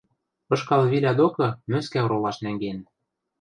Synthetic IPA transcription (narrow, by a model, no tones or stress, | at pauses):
ɤ̆ʃkɑlβilʲæd̪okɤ̆møskæɤ̆ɾolɑʃnæŋɡen